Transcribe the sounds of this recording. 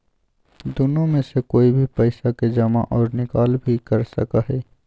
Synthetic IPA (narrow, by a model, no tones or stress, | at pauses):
d̪ʊnõmẽsekoːibʱipɛɪsaked͡ʒɐma̰ʔɔːɾnɪkaːlbʱikɐɾsɐ̰kaɦɛː